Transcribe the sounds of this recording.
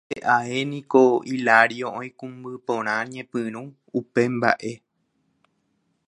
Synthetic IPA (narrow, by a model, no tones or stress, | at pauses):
eʔae̞nĩkoilaɾjoʔõj̃kũmbɨpõɾ̃ãɲẽpɨ̃ɾ̃ũ | upemba̰ʔe̞